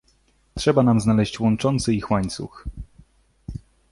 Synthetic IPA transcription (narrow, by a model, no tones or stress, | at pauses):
tʂɛbanamznalɛɕt͡ɕwɔnt͡ʂɔnt̪sɘixwaɲt̪sṵx